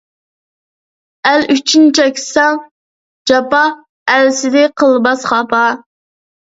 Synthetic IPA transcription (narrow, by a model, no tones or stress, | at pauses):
ælyt͡ʃʰynt͡ʃʰɛkʲʰsɑŋ | d͡ʒɑpɑ | ælsɪd̪ɪqʰəlˠbɑsχɑpɑ